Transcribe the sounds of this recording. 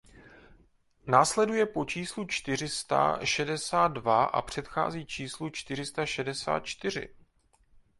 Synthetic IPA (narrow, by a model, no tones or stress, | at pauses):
naːslɛdujɛpo̞t͡ʃiːslut͡ʃt̪ɪr̝ɪst̪a̰ʃɛdɛsaːt̪̚dvaʔa̰pr̝̥ɛt̪xa̰ːziːt͡ʃiːslut͡ʃt̪ɪr̝ɪst̪aʃɛdɛsa̰ːt̪̚t͡ʃt̪ɪr̝ɪ̰